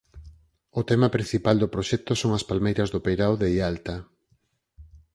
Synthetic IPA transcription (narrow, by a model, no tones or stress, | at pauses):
ʊt̪ɛmapɾin̟θipald̪ʊpɾoʃɛk̚t̪osoŋɐspalmejɾɐzðʊpejɾawðeialt̪a